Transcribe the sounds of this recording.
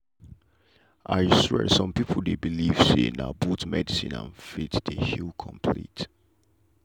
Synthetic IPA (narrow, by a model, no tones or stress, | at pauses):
ʔaɪsɛ̰̥sɔ̃mpipʰəl̩ˠdebiliv̥sḛna̰butmɛdisĩnã̰nfitdehilkʰɔ̰̃mpʰlḭt